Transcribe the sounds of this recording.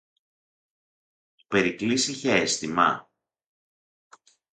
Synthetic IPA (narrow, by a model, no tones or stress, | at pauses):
pe̞ɾiklisiçeest̪imɐ̰